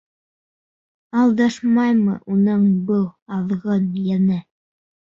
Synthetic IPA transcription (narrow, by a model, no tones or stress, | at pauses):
ɑlˠd̪ɑʃmɑjmɤ̰ʔunɤɴbɤlˠɑðʁɤnjænɘ